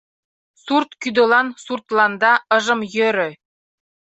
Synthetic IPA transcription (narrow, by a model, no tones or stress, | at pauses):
surt̪kyd̪ɤ̆lˠɑnsurt̪lˠɑnd̪ɑɤ̆ʒɤ̆mjøɾɘ̆